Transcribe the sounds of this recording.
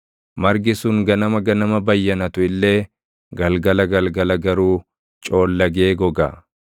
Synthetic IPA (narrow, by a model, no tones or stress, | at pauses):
mɐɾɡɪsʊŋɡɐnɐmɐɡɐnɐmɐbɐjːɐnɐt̪ʊɪlːe̞ː | ɡɐlɡɐlɐɡɐlɡɐlɐɡɐɾuː | t͡ʃʼo̞ːlːɐɡe̞ːɡɔɡɐ̰ː